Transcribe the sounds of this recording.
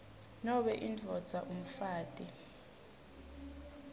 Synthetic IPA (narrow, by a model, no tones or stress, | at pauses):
nɔɓɛʔint͡fɔ̥t͡sʰʼaʔum̩faːtʼi